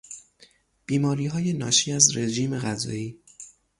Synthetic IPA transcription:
b̥iːmɒːɾiːɦɒːje̞nɒːʃiːæzɾe̞ʒiːme̞ɣæzɒ̰ːiː

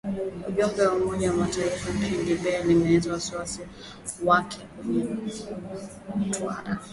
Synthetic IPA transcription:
uʄɔmbɛwamɔʄawamataifam̩pindiɓɛalimɛɛzawasiwasi | wakʰɛkwɛɲɛ | m̩twa̰ɾa

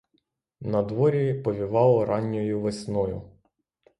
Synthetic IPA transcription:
nɐd̪ʋɔɾʲipɔʋʲiʋɑlˠɔɾɑnʲːɔjʊʋesʲnɔjʊ̰

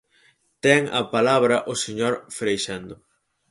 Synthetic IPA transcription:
t̪ɛŋɐ̰palaβɾɐʔoseɲoɾfɾejʃɛnd̪ʊ

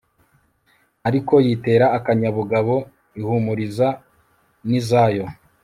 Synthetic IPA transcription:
aɾiko̞jite̞ːɾaːkaɲaβuɡaβo̞ | ihumuɾiza | nizaːjo̞

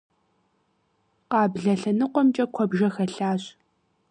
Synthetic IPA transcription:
qɑːbɮɐɬɐnɨqʷɔmt͡ʃʼɐkʷʰɔbʒɐxɐɬaːɕ

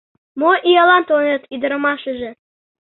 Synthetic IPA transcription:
moʔijɑlɑnt̪onĕt̪yd̪ə̆ɾɤ̆mɑʃə̆ʒĕ

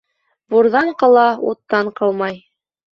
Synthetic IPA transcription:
buɾðɑɴqɑlˠɑṵt̪ːɑɴqɤlˠmɑj

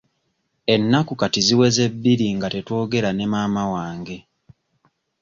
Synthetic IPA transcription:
e̞nːakukatiziwe̞ze̞bːiɾiŋɡate̞to̞ːɡe̞ɾanemaːmawaːŋɡe̞

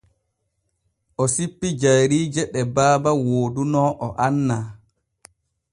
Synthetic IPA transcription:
ʔɔsipːid͡ʒajɾiːd͡ʒɛɗɛbaːbawoːdunɔʔɔʔanːa

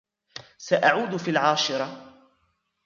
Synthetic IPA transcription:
saʔaʕuːd̪fiːlʕaːʃɪɾˤɑ

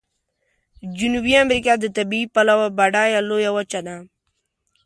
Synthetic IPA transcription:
d͡ʒunubiamɾikad̪ət̪abiːpalawabaɖajalojawat͡ʃad̪a

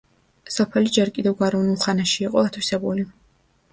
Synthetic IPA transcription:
sɔpʰɛlid͡ʒɛɾkʼid̪ɛvɡwaɾɛvnulˠχanaʃiːqʼɔat̪ʰwisɛbuli

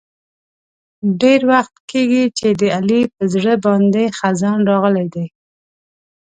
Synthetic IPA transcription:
ɖeɾwaxt̪keɡit͡ʃed̪əalipəzɽəbɑnd̪exazɑnɾɑɣəlajd̪aj

